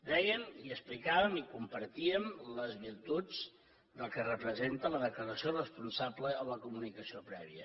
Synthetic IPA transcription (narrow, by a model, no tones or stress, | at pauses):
d̪ɛɣəniəsplikaβəmikumpəɾt̪iəmləzβiɾt̪ud͡z | d̪əlˠkərəpɾəzent̪ələðəkləɾəsiorəspunsabləːləkumunikəsiopɾɛβiə̰